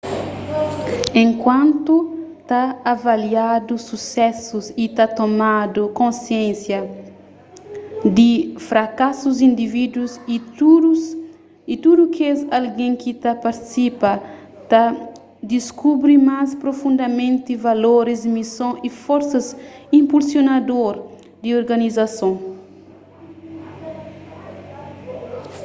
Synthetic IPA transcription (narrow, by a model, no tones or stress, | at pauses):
ẽŋkwãnt̪ut̪aːvaliad̪ususɛsuzit̪at̪omad̪ukõnsjẽsjɐ | d̪ifɾakasuzĩnd̪ivid̪wuziu | it̪ud̪ukezalɡẽŋkit̪apaɾt̪i̥sipɐ | t̪a | d̪iskubɾimaspɾofũnd̪ɐmẽnt̪ivaloɾizmisõifoɾsɐzĩmpulsjonad̪oɾ | d̪ioɾɡɐnizasõ